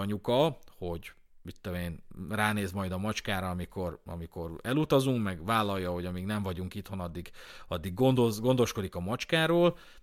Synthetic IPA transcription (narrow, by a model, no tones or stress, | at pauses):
ɒɲukɒho̞ɟ | it̪ːoeːnraːneːzmɒjd̪ɒmɒt͡ʃkaːɾɒːmiko̞rɒ̰miko̞rɛlut̪ɒzuŋkmɛɡʋaːlːɒjːɒho̞ɟɒmiːɡnɛɱvɒɟuŋkit̪ho̞nɒd̪ːiɡɒd̪ːiɡːond̪ozɡo̞nd̪o̞ʃko̞d̪ikɒmɒt͡ʃkaːɾoːl